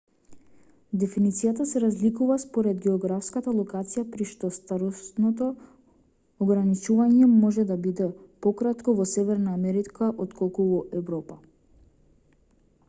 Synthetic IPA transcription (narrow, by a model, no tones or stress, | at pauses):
d̪ɛfinit̪sijat̪asɛɾazlikuvaspɔɾɛd̪ɡɛɔɡɾafskat̪alˠɔkat̪sijapɾiʃt̪ɔst̪aɾɔst̪nɔt̪ɔː | ɡɾanit͡ʃuvaɲɛmɔʒɛd̪abid̪ɛpɔkɾat̪kɔvɔsɛvɛɾnaːmɛɾikʰaʔɔt̪kʰɔlˠkuvɔʔɛvɾɔpa